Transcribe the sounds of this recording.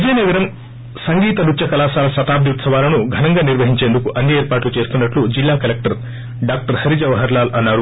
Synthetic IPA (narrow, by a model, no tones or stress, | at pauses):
ʋid͡ʒɐjnɐɡɐɾɐm | sɐŋɡiːt̪ɐnut͡ʃɐkɐlaːsaːlɐsɐt̪aːb̚d̪jut̪sɐʋaːlɐnuɡʱɐnɐŋɡaːniɾʋɐɦiɲt͡ʃe̞ːnd̪ukuʔɐnːieːɾpaːʈlut͡ʃe̞ːsu̥t̪unːɐʈlud͡ʒilːaːkɐlek̚ʈɐɾ | ɖaːk̚ʈɐɾhɐɾid͡ʒɐʋɐɦɐɾlaːlɐnːaːɾu